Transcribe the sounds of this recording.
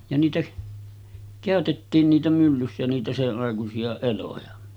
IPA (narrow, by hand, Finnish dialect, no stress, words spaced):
jɑ niːtæ kæˑøtetːiːn niːtæ mylːysːæ niːtæ seʔːɑˑekusiɑ elojɑ